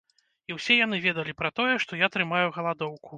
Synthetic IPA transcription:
iwsʲɛjanɨvʲɛd̪ɐlʲipɾɐt̪ɔjɛʂt̪ɔjat̪ɾɨmajuɣɐlˠad̪ɔwkʰu

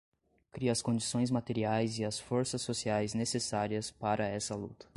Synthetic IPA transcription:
kɾiɐɐskõd͡ʒisõj̃zmat̪eɾiajzɪɐsfoɾsɐsːosiajznesesaɾiɐspaɾɐɛsɐlṵt̪ɐ̥

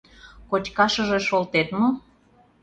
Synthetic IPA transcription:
kot͡ɕʲkɑʃəʒeʃolt̪et̪mo

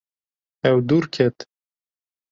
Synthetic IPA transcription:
ɛwd̪uɾkʰet̪

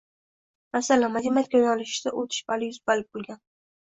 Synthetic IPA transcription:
masalanmad̪imat̪̚kʲajɒlɪʃd̪aʔot̪ʰɪ̥ʃɪ̥palɪjʊzbalɪp̚bolˠɡʲan

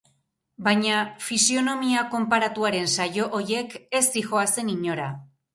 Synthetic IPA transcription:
bajɲafisio̞no̞miako̞mpaɾat̪uaɾe̞nsajo̞ʔoɾje̞ke̞sixo̞ase̞niɲo̞ɾa

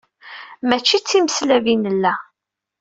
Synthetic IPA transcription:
mæt͡ʃːit͡sːiməslævinəlːæ

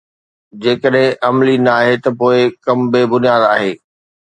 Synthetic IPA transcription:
d͡ʑeːkəɗɦɪ̃ʔɐmlinɐaːɦet̪ɐpoːɪkɐmbebʊnijaːd̪aːɦeː

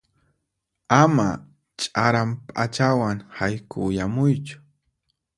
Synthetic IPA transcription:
ama̰ | t͡ʃʼaɾampʼa̰t͡ʃawaŋhajkʊjamʊjt͡ʃʊ̥

